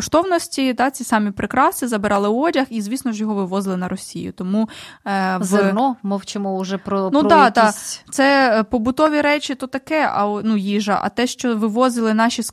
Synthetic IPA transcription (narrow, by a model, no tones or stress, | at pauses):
ɔʃt̪ɔwnɔsʲtʲid̪ɑt͡sʲisɑmʲipɾɪkɾɑst͡s̪ʲizɐbeɾɑlˠɪɔdʲɐxizʲʋʲisnɔʒjɔɦɔʋɪʋɔzɪlˠɪnɐɾɔsʲḭjʊ̰t̪ɔmu | ʋzenɔmɔwt͡ʃɪmɔʊʒɛpɾɔnud̪ɑd̪ɑt̪sɛpɔbʊt̪ɔʋʲiɾɛt͡ʃʲit̪ɔt̪ɐkɛɐ̰nujiʒɐ̰ʔɐ̰t̪ɛʃt͡ʃɔʋɪʋɔzɪlˠɪnɑʃʲis